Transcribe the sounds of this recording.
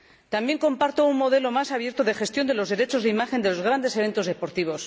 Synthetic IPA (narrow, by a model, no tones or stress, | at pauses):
t̪ambje̞ŋko̞mpaɾt̪ounmo̞ðe̞lo̞masaβje̞ɾt̪oðe̞xe̞st̪jo̞nd̪e̞lo̞zðeɾe̞t͡ʃozðeimaxe̞nd̪e̞lo̞zɣ̞ɾand̪e̞seβe̞nt̪ozð̞e̞po̞ɾt̪iβ̞o̞s